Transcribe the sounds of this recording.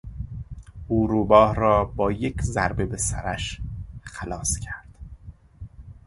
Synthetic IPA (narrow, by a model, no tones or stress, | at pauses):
ʔuːɾubɒːhrɒːbɒːjecʰzæɾbe̞besæ̰ɾæʃxælɒːscʰæɾd̪̥